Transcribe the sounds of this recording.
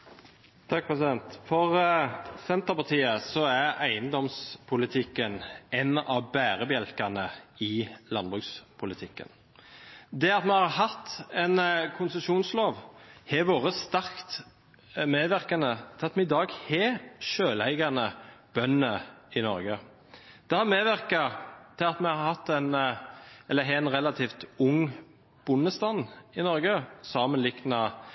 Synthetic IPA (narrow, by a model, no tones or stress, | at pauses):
t̪ʰɑk̚pʰɾɛsɪd̪ɛnt̪fɔʁsɛnt̪əɾpɑt̪ʰiːəsɔæɾæɪənd̪ɔmspʰʊlɪt̪ʰɪkːənɛnɑʋbæːɾəbjɛlkɑnəɪlɑnbʁʉkspʰʊlɪt̪ʰɪkːə̰n | d̪ɛɑt̪mɛhɑɾhɑt̪ːɛnkʰʊnsəʃuːnsloːʋhɛʋoːʁəst̪æʁkt̪ | meːʋæɾʁkɑnət̪ʰɪlɑt̪mɛɪd̪ɑːɡhɛʃøːlæɪɡɑnəb̥œnːəɪnɔɾɡə | d̪̥ɛhɑɾmeːʋæɾkɑt̪ʰɪlɑt̪mɛhɑɾhɑt̪ːæn | ɛlːəɦɛænʁɛlɑt̪ʰiːft̪ʊŋː | b̥ʊnːəst̪ɑnɪnɔɾɡəsɑːmənlɪknɑ